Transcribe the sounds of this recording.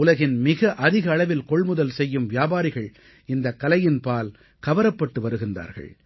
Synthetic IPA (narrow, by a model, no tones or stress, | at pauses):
ʊlɐɣɪnmɪɣɐʔɐðɪɣɐːɭɐʋɪlkɔɭmʊðɐlsɛjːɯmʋɪjaːbaːɾɪɣɐɭ | ɪnd̪ɐkːɐlɐjɪnpaːl | kɐʋɐɾɐpːɐʈːɯʋɐɾɯɣɪnd̪a̰ːɾɣɐ̰ɭ